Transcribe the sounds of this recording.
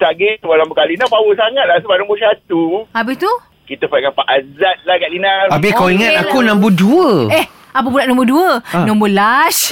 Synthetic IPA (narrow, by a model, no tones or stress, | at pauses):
t̪aɡet̪ubanambəkalinapawəsaŋat̪̚lasubaʔnɔ̃mbəsat̪uabɪht̪u | kit̪əpaʔ̚kapaʔazat̪̚lahɡaʔlinarabɪkawiŋat̪akunãmbəduəɛh | ap̬əbulaʔnɔ̃mbəduənɔ̃mbəlas